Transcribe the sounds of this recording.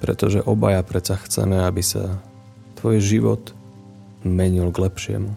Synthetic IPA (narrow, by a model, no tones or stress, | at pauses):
pɾɛt̪ɔʒɛʔɔba̰japɾɛt͡saxt͡sɛ̰mɛabisa̰ | t̪ʋɔjʒiʋɔ̰t̪ | mɛɲilɡlɛpʃɪɛ̰mu